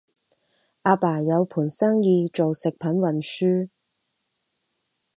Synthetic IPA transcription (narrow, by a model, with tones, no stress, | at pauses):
ʔaː˧paː˨˩jɐ˨˧wpʰuː˨˩nsɐː˥ŋjiː˧t͡ʃo˨wsɪ˨k̚pʰɐ˨˥nwɐ˨˩nsyː˥